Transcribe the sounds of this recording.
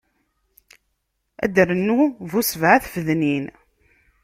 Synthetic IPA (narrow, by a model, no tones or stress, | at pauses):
æ̰d̪əɾənːuvusvʕaθfəðnin